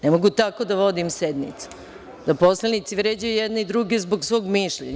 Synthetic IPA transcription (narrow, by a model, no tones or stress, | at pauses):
nemoɡut̪ako̞d̪aʋo̞d̪imsed̪nḭt̪su̥ | d̪aposlˠenit̪siʋɾeːd͡ʑajujɛd̪neid̪ɾuɡe̞zboɡsʋo̞ːɡmiʃʎḛɲ